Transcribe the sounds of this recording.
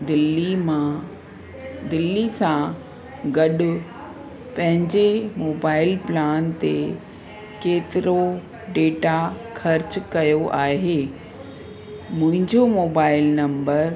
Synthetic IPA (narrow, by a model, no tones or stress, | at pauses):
d̪ɪlːimã | d̪ɪlːisã | ɡɐɗʊ | pɐ̃ɦɪ̃ɲd͡ʑemoːbaːɪlplaːnt̪e | keːt̪ɪɾo | ɖeːʈa | xʰɐɾt͡ɕkɐjoʔaːɦeː | mʊ̃ɦɪ̃ɲd͡ʑomoːbaːɪlnɐ̃mbəɾ